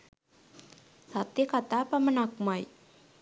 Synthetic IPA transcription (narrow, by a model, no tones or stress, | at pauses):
sat̪ikat̪apəmənak̚maj